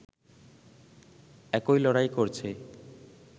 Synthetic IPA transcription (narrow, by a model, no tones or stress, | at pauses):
ɛkojlɔɽajkoɾt͡ɕʰe